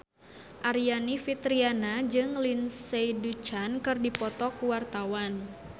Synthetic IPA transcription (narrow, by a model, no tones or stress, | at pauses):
ʔaɾianifit̪ɾianad͡ʒɨŋlinsejdut͡ʃankɨrdipɔt̪ɔkuwart̪awan